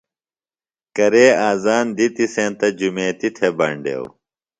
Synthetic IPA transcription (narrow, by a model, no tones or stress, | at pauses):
kɐɾeːaːzaːnd̪it̪isẽːt̪ɐd͡ʑumẽːt̪it̪ʰebɐɳɖḛːw